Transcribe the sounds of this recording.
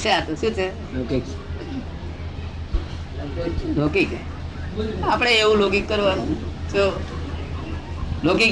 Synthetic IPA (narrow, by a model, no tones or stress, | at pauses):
seat̪oɕũt͡sʰe | k | lokike | apɽ̃eeũlokikːəɾʋanso | lokik